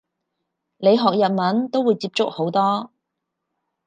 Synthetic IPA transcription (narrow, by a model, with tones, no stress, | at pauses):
le˨˧jɦɔː˨k̚jɐ˨t̚mɐ˨˥nt̪o˥wuː˨˧jt͡siː˧p̚t͡sʊ˥k̚ho˨˥wt̪ɔː˥